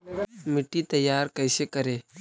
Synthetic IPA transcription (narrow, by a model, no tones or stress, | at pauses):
mɪʈːit̪ɐjːaːɾkɛːsekəɾeː